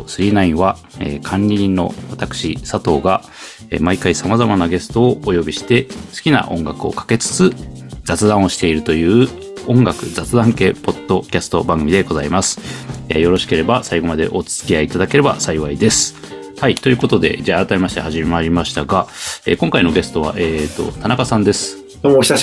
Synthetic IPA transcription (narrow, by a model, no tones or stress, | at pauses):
sɨɾʲiːnaĩɰ̃βa | ḛkʰãɲʲɾʲinːo̞̰at̪akɯ̟̥ɕisat̪o̞ːɡa | ḛmaikaisamazamanaɡe̞st̪o̞ːojo̞bʲiɕi̥t̪e̞sɨ̥kʲina̰ʔõ̞ŋɡakɯ̟o̞̰kḁke̞t͡sɨ̥t͡sɨd͡z̥at͡sɨd̪ãɰ̃o̞ɕi̥t̪e̞iɾɯ̟t̪o̞jɯ̟ː | õ̞ŋɡakɯ̟̰d͡zat͡sɨd̪ãŋke̞ːpo̞d̪ːo̞kʲasɨ̥t̪o̞bãŋɡɯ̟mʲid̪e̞ɡo̞zaimasɨ̥ḛjo̞ɾo̞ɕi̥ke̞ɾe̞basaiɡo̞mad̪e̞̰ʔo̞t͡sɨ̥t͡sɨ̥kʲiaiːt̪ad̪ake̞ɾe̞ba̰saiβaid̪e̞sɨ̥ | hait̪o̞jɯ̟ko̞t̪o̞d̪e̞̰d͡ʑaːɾat̪ame̞maɕi̥t̪ehaʑimʲemaɾʲimaɕi̥t̪aɡae̞̰ːkõ̞ŋkaino̞ɡe̞sɨ̥t̪o̞βa̰ʔe̞ːt̪ːo̞̰t̪anakasãnd̪e̞sɨ̥ | d̪oç̥a